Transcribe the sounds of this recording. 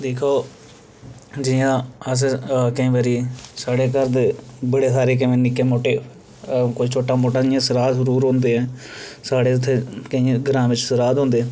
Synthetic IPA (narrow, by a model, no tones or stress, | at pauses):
d̪eːkʰoː | d͡ʒɪjãːəs̬kəĩːʋaːɾiːsaːɽeːk̬əɾd̪ebəɽeːs̬aːɾeːk̬əʋẽːnɪkːeːmoːʈeː | kʊit͡ʃʰoːʈaːmoːʈãːd͡ʒɪjãːsəɾaːd̪zəɾuːɾɦõːnd̪eːɛ̃ːsaːɽeːʊt̪ʰːeːkəĩːɡəɾãːʋɪt͡ʃsəɾaːd̪ɦõːnd̪eːɛ̃ː